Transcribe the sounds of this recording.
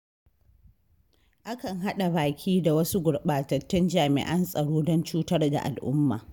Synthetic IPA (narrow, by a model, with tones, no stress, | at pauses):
ʔa˦kɐ˨ŋɦa˦ɗa˨baː˨kʲʰiː˦da˨wɐ˦su˦ɡʷʊ˨ɽɓaː˨tɐ˨tːɪ˦nd͡ʒaː˨mɪ̰˨ʔɐ˦nsʼɐ˨ɽoː˦dɔ˦nt͡ʃuː˦tɐ˦rda̰˨ʔa̰˨lʔʊ˦mːa̰ː˨